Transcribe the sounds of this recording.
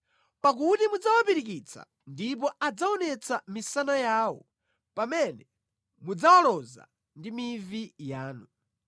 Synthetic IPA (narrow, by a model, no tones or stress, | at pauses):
pak̬utimud͡zawapiɾik̬it͡sʰa̰ | ndip̬ɔad͡zaɔnɛt͡sʰamisanajaːwɔ | pamɛnɛ | mud͡zawalɔza̰ | ndimivijaːnu